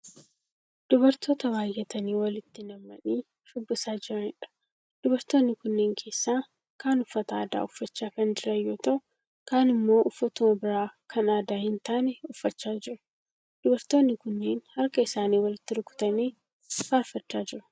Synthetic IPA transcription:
d̪̥ʊbɐɾt̪ʰo̞ːt̪ɐwaːjːɛt̪ɐniːwɐlɪt̪ːɪnɐmːɐniː | ʃʊbːʊsaːd͡ʒɪɾɐnɪᶑɐ̥ | d̪̥ʊbɐɾt̪oːnːɪkʊnːeːŋkʰe̞ːsːaː | kaːnʊfːɐt̪ɐaːd̪a̰ːʊfːɐt͡ʃːaːkɐnd͡ʒɪɾɐjːoːt̪ɐʔʊ | kaːnɪmːo̞ːʔʊfːɐt̪ʊmɐbɪɾaːkʰɐnaːd̪aːhɪnt̪aːnɛʊfːɐt͡ʃːaːd͡ʒɪɾʊ | d̪̥ʊbɐɾt̪oːnːɪkʊnːeːnhɐɾkɐɪsaːniːwɐlɪt̪ːɪɾʊkʊ̥t̪ɐneː | faːɾfɐt͡ʃːaːd͡ʒɪɾʊ̥

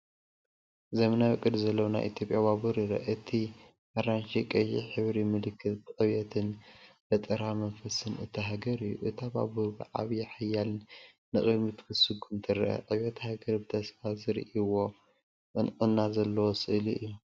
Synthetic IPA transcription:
zemɐnawɨkʼːɨd̪zɐlːɐwona̰jʔit̪ʰjo̞pʼjaβaβuɾiɾɐ̰ʔɨt̪ʰi | ʔaɾanʃikʼɐjḭħɨβɾimɨlɨkʰːɨt̪bɨqʼɨβɛt̪ʰɨnbɐt̪ʼɨɾamɐnfɐsɨnɨt̪ʰiɦaɡɐɾɨjːuʔɨt̪ʰaba̰buɾbɨʕa̰βjaħajːaln | nɨχʼɨdmit̪ʰkʰɨsɨɡʰɨnt̪ʰɨɾʔɐ̰qʼɐβɛt̪haɡɐɾbɨt̪ʰɐsfazɨɾḭʔiwo̞ | ɨnqʼɨnːazɐlːɐwosʼɨʔliʔɨjːu

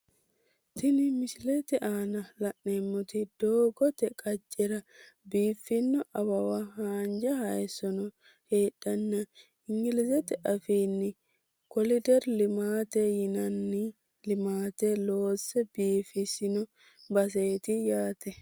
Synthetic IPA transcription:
t̪ɪnɪmɪslɛt̪ɛʔaːnɐlɐʔneːmːɔt̪ɪd̪̥oːɡɔt̪ɛkʼɐd͡ʒʼːɛɾɐ | biːfːɪnːɔʔɐbɐwɐɦaːnd͡ʒɐhɐjɛsɔnɔ | heːᶑːɐnːɐ | ɪŋɡɪlɪzɛt̪ɛʔɐfiːnːɪ | kɔlɪd̪ɛɾlɪmaːt̪ɛjɪnɐnːɪ | lɪmaːt̪ɛloːsːɛbiːfɪsɪnɔ | bɐs̬eːt̪ɪjaːt̪ɛ

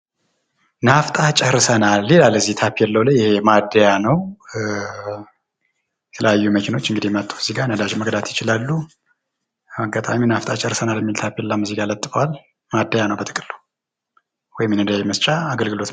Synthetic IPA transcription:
naft̪ʼat͡ʃʼɛhɾsənalːe̞laləzːiht̪ʰapːijɛlːəwləjjɪhemad̪ːəjanəw | jɛ̥t̪ʰələjajːuməkʰino̞t͡ʃːɨŋɡɨd̪ijɛmət̪ʼːuwz̥iɡanəd̪aʒməɡd̪at̪jɪt͡ʃɪlalːu | maɡat̪ʼaminaft̪ʼat͡ʃʼɛhɾsənaljɛmːilt̪ʰapjɛlːamɨziɡalət̪ʼːɨfəwal | mad̪ːəjanəwbət̪ʼɨkʼɨlːə | wɔjmjɛnɨnd̪əjajːɛməst͡ʃʼaːɡəlɡɨlo̞t̪

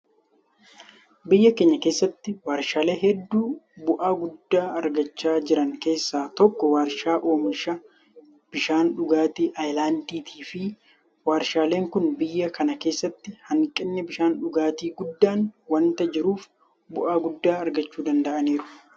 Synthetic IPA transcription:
bɪjːɐkeːɲːɐke̞ːsːɐt̪ːɪwaːɾʃaːle̞ːɦɛd̪ːuːbʊʔaːɡʊd̪ːaːɐɾɡɐt͡ʃːaːd͡ʒɪɾɐŋke̞ːsːaːt̪ɔkːɔwaːɾʃaːʔoːmɪʃɐ | b̥ɪʃaːnᶑʊɡaːt̪iːʔɐjlaːnd̪iːt̪ʰiːfɪ | waːɾʃaːle̞ːŋkʊnbɪjːɐkɐnɐke̞ːsːɐt̪ːɪhɐŋkʼːɪnːɛbɪʃaːnᶑʊɡaːt̪iːɡʊd̪ːaːnwɐnt̪ɐd͡ʒɪɾuːf | bʊʔaːɡʊd̪ːaːɐɾɡɐt͡ʃːuːd̪ɐnd̪ɐʔɐniːɾʊ̥

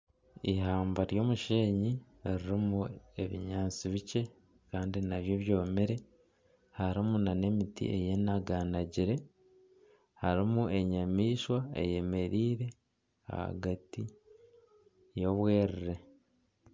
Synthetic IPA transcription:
iɦaːmbaɾjo̞ːmuʃeːɲi | ɾiɾimue̞βḭɲaːt͡siβit͡ʃe̞ | kaːndinaβjo̞βjo̞ːmeɾe̞ | haɾimunane̞mitḭʔe̞̰jenaɡanaɟiɾe̞ | haɾimuʔe̞ɲamiːʃwaḛje̞me̞ɾiːɾe̞ | a̰ha̰ɡati | jo̞βwe̞ːɾiɾe̞

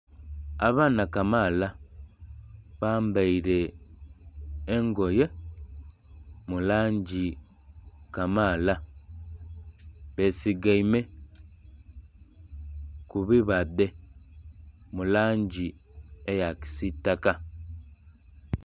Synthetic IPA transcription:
a̰βaːnakamala | βaːmbaiɾe̞ | ŋɡo̞je̞ | mulaːɲɟi | kamala | βe̞siɡaime̞ | kuβiβade̞ | mulaːɲɟiejaki̥sitːaka

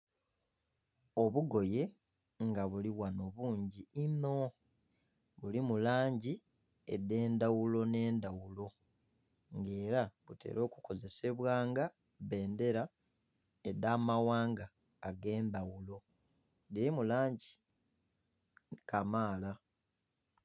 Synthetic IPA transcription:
o̞βuɡo̞je̞ | ŋɡaβuliwano̞βuːɲɟiino̞ | βulimulaːɲɟi | ḛde̞ːndawulo̞ne̞ːndawulo̞ | ŋɡe̞ːɾaβute̞̰ːɾʔo̞ːkuko̞ze̞se̞βwaːŋɡa | βe̞ːnde̞ɾa | edaːmawaːŋɡaː | ɡe̞ːndawulo̞ | diɾimulaːɲɟi | kamaːla

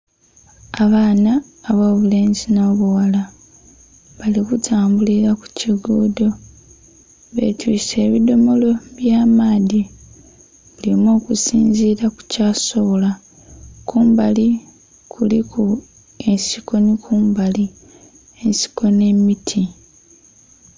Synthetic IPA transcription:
aβaːnaː | βo̞ːβule̞ːnzino̞ːβuwala | βalikutʰaːmbuliɾaku̥ciɡoːdo̞ | βe̞̰twiːse̞ːβido̞mo̞lo̞βjaːmaːði | βulimo̞ːkusiːnziɾaku̥caːsola | kʰuːmbali | kʰulikʰu | e̞siko̞nikʰuːmbali | e̞nsi̥ko̞ne̞mitʰi

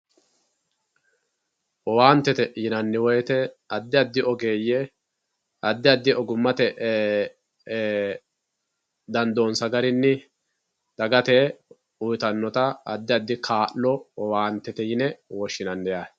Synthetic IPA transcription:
ʔɔwaːnt̪ːɛt̪ɛjɪnɐnːɪwɔjɛt̪ɛɐd̪ːɪɐd̪ːɪʔɔɡeːjɛ | ɐd̪ːɪɐd̪ːɪʔɔɡʊmːɐt̪ɛʔ | d̪ɐnd̪oːnsɐɡɐɾɪnːɪ | d̪̥ɐɡɐt̪eː | ʊjt̪ɐnːɔt̪ɐɐd̪ːɪɐd̪ːɪkʰaːʔlɔɔwaːnt̪ːɛt̪ɛjɪnɛwɔʃːɪnɐnd̪ɛjaː

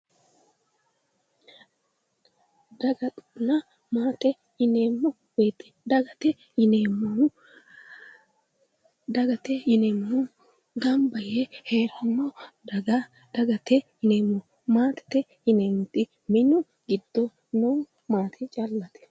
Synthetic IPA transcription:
d̪ɐɡɐt̪ʼnɐ | maːt̪ɛ | ɪneːmːɔ | weːt̪ːɛ̥d̪ɐɡɐt̪ɛ | ɪneːmːɐ | d̪ɐɡɐt̪ɛɪneːmʊ | ɡɐmbɐjɛheːɾɐnːɔɡ | d̪̥ɐɡɐt̪ɛ | ɪneːmːɔ | maːt̪ɛ̥t̪ɛ | ɪneːmt̪ʼɪ | mɪnʊ | ɡɪd̪ːɔ | nuː | maːt̪ʰɪt͡ʃʼɐlːɐt̪ɛ̥

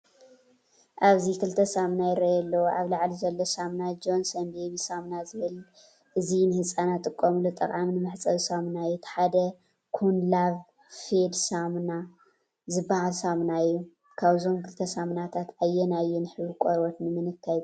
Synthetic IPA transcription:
ʔaβzikʰɨlt̪ʰɐsamnajɾɐjɛlːoʔaβlaʕlizɐlːosamnad͡ʒo̞nsɐnbeβisamnazɨβɨl | ʔɨzinɨhɨsʼanat̪ʼɨkʼːomlut̪ʼɐkʼamnɨmɨħt͡sʼɐβsamnajːut̪ʰħad̪ɐ | kʰunlaβ | fed̪samna | zɨbːahalsamnajːu | kʰaβzo̞mkʰɨlt̪ʰɐsamnat̪ʰat̪ʔajːɛnajːunɨħɨβikʷʼoɾwot̪nɨmɨnɨkʰːaj

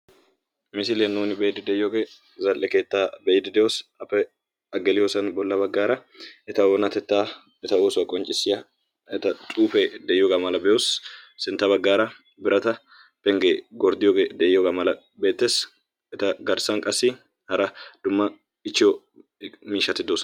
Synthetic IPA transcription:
mɪsɪlenːuːnɪbeːd̪ɪd̪ɛjoɡɛ | zɐlʔɛkeːt̪ːaːbɛjd̪ɪd̪ɛjosɐpːɛ | ɐɡɛlɪjosɐnbɔlːɐβɐɡːaːɾɐ | ɛt̪ɐonɐt̪ɛt̪ːaː | ɛt̪ɐoːsʊɐkʼɔnt͡ʃʼɪsːɪjɐ | ɛt̪ɐt͡ʃ̪ʼuːfɛd̪ɛjɔɡɐmɐlɐbɛjosːɪnt̪ːɐβɐɡːaːɾɐ | bɪɾʔɐt̪ɐ | pːɛŋɡeɡɔɾd̪ɪjoɡɛd̪ɛʔjɔɡɐmɐlɐ | beːt̪ːeːs | ɛt̪ɐɡɐɾsɐŋkʼɐsːɪ | hɐɾɐd̪̥ʊmːɐ | ɪt͡ʃːɪɔ | miːʃɐt̪ɪd̪oːsɔ

